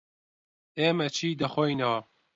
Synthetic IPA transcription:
eːmɐt͡ʃʰiːd̪ɐxojnɐwɐ

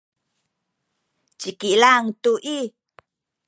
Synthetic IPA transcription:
t͡ʃikilaŋtuʔi

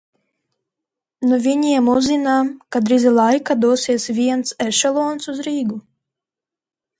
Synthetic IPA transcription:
nuvʲiɲiɛmuzːinaːmkad̪ɾizilˠajkad̪uɔsiɛsvʲiɛnsɛʃɛlˠɔɔnsuzɾiːɡu

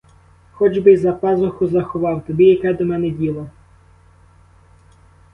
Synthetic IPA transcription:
xɔd͡ʒbɪzɐpɑzɔxʊzɐxɔʋɑwt̪ɔbʲijɐkɛd̪ɔmɛnɛdʲilˠɐ

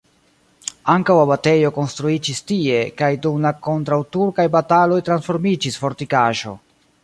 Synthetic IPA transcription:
aŋkawabate̞jo̞ko̞nstɾuid͡ʒistie̞kajdumlako̞ntɾawtuɾkajbatalo̞jtɾansfo̞ɾmid͡ʒisfo̞ɾtikaʒo̞̰

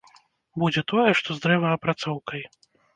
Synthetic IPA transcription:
bud͡zʲɛt̪ɔjɛʂt̪ɔzd̪ɾɛvɐɐpɾat̪sɔwkɐj

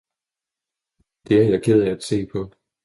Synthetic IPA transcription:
d̥e̝æɐjɑ̈kʰeð̞̰ˠææd̥se̝̰ːpʰɒ̽

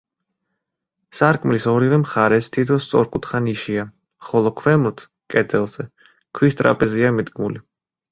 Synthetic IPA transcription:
saɾkʼmlisɔɾivɛmχaɾɛst̪ʰit̪ʰɔst̪sʼɔ̰ɾkʼut̪χaniʃia | χɔlˠɔkʰwɛmɔt̪ʰ | kʼɛd̪ɛlˠz̥ɛ | kʰwist̪ʼɾa̰pʼɛziamid̪ɡmuli

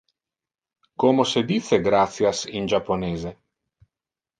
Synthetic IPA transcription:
komosed̪it̪seɡɾat̪sjasind͡ʒapːoneːze

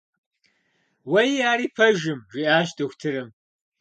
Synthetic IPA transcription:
wɐjaːɾiːpʰɐʒɪmʒʷiʔaːʃdʰɨxʷtʰɨɾɨm

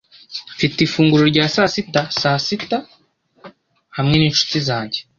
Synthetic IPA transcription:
fitifuːŋɡuɾoɾɟaːsasitasasita | hamŋe̞niːnʃu̥tizaːɲɟe

